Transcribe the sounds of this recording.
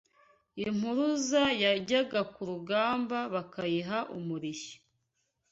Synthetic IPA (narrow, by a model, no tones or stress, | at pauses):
im̥huɾuzajaɟaɡakuɾuɡaːmbaβakajiɦaʔumuɾiʃi̥